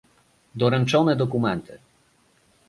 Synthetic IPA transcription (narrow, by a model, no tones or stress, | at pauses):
d̪ɔɾɛnt͡ʂɔnɛd̪ɔkumɛnt̪ʰɘ